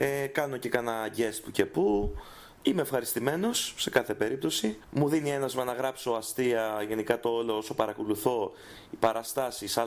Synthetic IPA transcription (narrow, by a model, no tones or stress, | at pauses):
ekɐno̞ce̞kɐnɐɟe̞st̪puce̞pu | imeːfxɐɾist̪ime̞no̞sːe̞kɐθe̞pe̞ɾip̚t̪o̞simuðinie̞nɐzmenɐɣɾɐpsoɐst̪iɐʝe̞nikɐt̪o̞olo̞oso̞pɐɾɐkoluθo̞ | ipɐɾɐst̪ɐsisɐ